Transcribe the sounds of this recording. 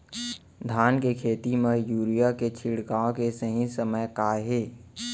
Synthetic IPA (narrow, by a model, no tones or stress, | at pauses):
d̪ʱaːnkekʰeːt̪iməjuːɾijaket͡ʃʰɪɽkaːõkesəɦĩsəməjkaːɦeː